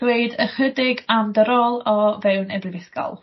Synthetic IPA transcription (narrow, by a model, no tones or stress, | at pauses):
weɨdəχədɪɡamdəɾɔlˠɔvɛwnɛbrɪvɪθkɔ̰lˠ